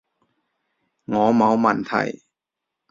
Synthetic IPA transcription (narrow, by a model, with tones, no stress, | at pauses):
ŋɔː˨˦ma˨˥wma˧˩nt̪ʰa̰˧˩j